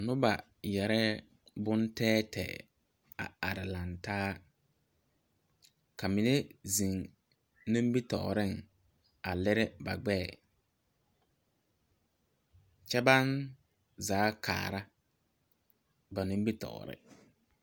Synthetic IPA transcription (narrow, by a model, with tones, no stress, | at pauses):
nʊ˦ba˨ | jɛ˨ɾɛ˦ | bʊ˦ntɛː˦tʰɛ̰ː˨ | a̰˨a˨ɾɪ˨la˨ntaː˦ | ka˨mɪ˨ne˦zi˨ŋ | ni˦mbi˦tɔ̰˨ɾɪ˦ŋ | a˨lɪ˦ɾɪ˦ba̰˨ɡ͡bɛ˦˨ | t͡ʃɛ˦ba˦n | zaː˨˦kʰa̰ː˨ɾa˦ | ba˨nɪ˦m˦bi˦tɔ̰˨ɾɪ̰˦